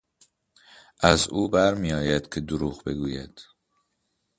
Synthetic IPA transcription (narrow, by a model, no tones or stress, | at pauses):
ʔæzuːbæɾmijɒːjæd̪̥cʰe̞d̪oɾuːɣbe̞ɡuːjæ̰d̪̥